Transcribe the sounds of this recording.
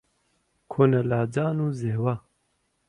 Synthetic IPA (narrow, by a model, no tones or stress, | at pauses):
kʰonɐlaːd͡ʒaːnuːzeːwa